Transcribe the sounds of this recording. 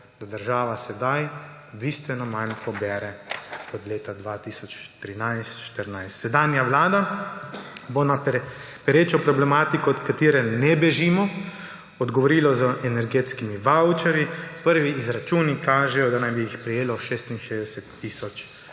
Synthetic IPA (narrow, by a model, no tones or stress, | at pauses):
d̪ad̪əɾʒaːʋasɛd̪aj | bist̪ʋɛnɔmanpɔbɛːɾɛɔd̪leːt̪ad̪ʋat̪isɔt͡ʃt̪ɾinajst̪ʃt̪əɾnajst̪sɛd̪aːnjaʋlaːd̪a | bonappɛɾeːt͡ʃɔpɾɔblɛmaːt̪ikɔːt̪kat̪iːɾɛnɛbɛʒimɔ | ɔd̪ɡɔʋɔɾiːlɔzəʔɛnɛɾɡet̪skimiʋawt͡ʃɛɾipəɾʋiizɾat͡ʃuːnikaːʒɛjɔd̪anajbijixpɾɛjeːlɔʃest̪inʃeːzd̪ɛsɛt̪ːiːsɔt͡ʃ